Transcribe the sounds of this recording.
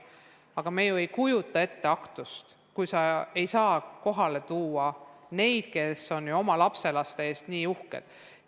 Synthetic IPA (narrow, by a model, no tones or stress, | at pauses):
ɑɡ̥ɑme̞juejkujut̪ːˑɑe̞t̪ːe̞ɑkt̪ust̪ | kujsɑe̞jsɑːko̞ɦɑle̞t̪uːɑne̞jd̪̥ke̞so̞njuo̞mɑlɑpse̞lɑst̪e̞eːst̪niːuhkḛd̪̥